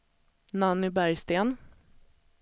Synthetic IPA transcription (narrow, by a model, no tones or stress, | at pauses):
nanːʏbæɾjst̪eːn